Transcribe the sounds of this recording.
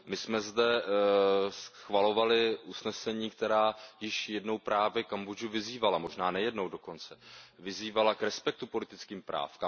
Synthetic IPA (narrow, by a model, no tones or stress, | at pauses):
mɪsmɛzdɛ | sxvalo̞valɪʔusnɛsɛɲiːkt̪ɛɾaːjɪʃjɛdno̞wpɾaːvjɛkamboʒuvɪziːvalamo̞ʒnaːnɛjɛdno̞wdo̞ko̞nt͡sɛvɪziːvalakɾɛspɛk̚t̪upo̞lɪt̪ɪt͡skiːmpɾa̰ːfka